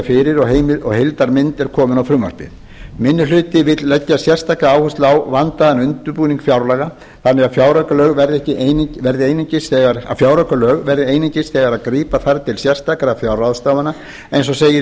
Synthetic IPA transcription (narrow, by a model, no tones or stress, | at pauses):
fɪɾɪɾɔɣɦeːjmɪɔɣhɪjlt̪aɾmɪnt̪ɛɾkʰɔːmʏnawfɾʏmːa̰r̥pɪ̰ð | mɪnːʏlʏːt̪ɪvɪt̪llɛcːasjɛr̥st̪ʰakaaːwhʏst̪laːwvant̪aðɛnʏnt̪ʏɾpuːniŋkfjawɾlɛɣa | θanːɛɣafjawɾakalœːɣvɛɾðɪɛhcɪʔejnvɛɾðɪejnɪɲcɪsθɛɣaɾa̰fjawɾœkalœːɣvɛɾðɪejnɪɲcɪsθɛːɣaɾaðkɾiːpaθaɾt̪ʰɪlsjɛr̥st̪akaɾafjawɾraðst̪aːwvana | ejns̬ɔseːjɪ